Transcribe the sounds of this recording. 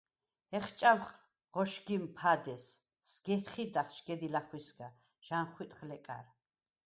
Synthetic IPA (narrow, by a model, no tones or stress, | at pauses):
ɛχt͡ʃʼamχ | ʁɔʃɡimpʰad̪ɛsː | ɡ̥ɛt̪χid̪aχʃɡ̥ɛd̪ilaχwisɡa | ʒ̥anχwit̪ʼχlɛkʼa̰ɾ